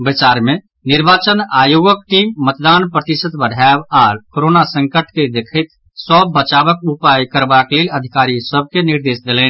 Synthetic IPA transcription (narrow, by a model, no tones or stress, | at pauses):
bɪt͡ʃaːɾmẽ | nɪɾbaːt͡ʃənaːjoːɡək̚ʈiːmːət̪d̪aːnpɾət̪ɪsət̪bəɽʱabaːɾkoɾoːnasə̃ŋkəʈʰked̪ekʰɪt̪ | sɔbːət͡ʃaːʋəkʊpaːjkəɾbakleːləd̪ʱɪkaːɾisəb̚ʱkenɪɾd̪eːsd̪eleːn